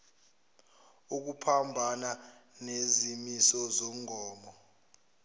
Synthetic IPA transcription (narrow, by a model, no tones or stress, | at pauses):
uk̬upʰambʱananezimisɔzom̩ʱɔːmɔ